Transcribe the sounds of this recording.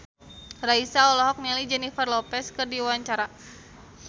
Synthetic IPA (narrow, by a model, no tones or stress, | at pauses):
raisaɔlɔɦɔk̚nɛlid͡ʒɛnifərlɔpɛskɨrdiwaɲt͡ʃaɾa